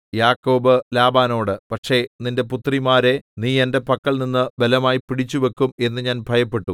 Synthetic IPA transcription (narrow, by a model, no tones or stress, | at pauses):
jaːkːo̞ːbɨlaːbaːno̞ːɽɨpɐʈʂe̞ninde̞put̪ːrimaːɾe̞niːe̞nde̞pɐkːɐɭninːɨbelɐmaːjipiɽit͡ɕːuʋekːume̞nːɨɲaːnbʱɐjɐpːe̞ʈːu